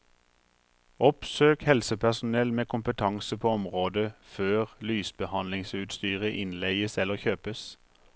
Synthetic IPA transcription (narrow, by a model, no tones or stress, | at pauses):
ɔpsøːkhɛlsəpʰæʁsʊn̩ɛlmeːkʰʊmpət̪ʰɑŋsəpʰoːɔmʁoːd̪əføːʁlyːsbəhɑnlɪŋsʉːt̪st̪yːʁəʔɪnleɪəsɛləʁçøːpəs